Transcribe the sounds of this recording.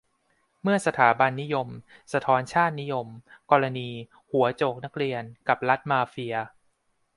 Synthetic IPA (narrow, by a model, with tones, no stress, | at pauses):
mɯ˥˩ɐsa˧t̪ʰaː˩˦ba˧nːi˦˥jo˧msa˧t̪ʰɔː˦˥nt͡ɕʰaː˥˩t̪̚ni˦˥jo˧mkɔː˧ɾa˧niː˧ | hu˩˦ɐt͡ɕoː˨˩k̚na˦˥k̚ɾi˧ənka˨˩p̚la˦˥t̪̚maː˧fi˧ɐ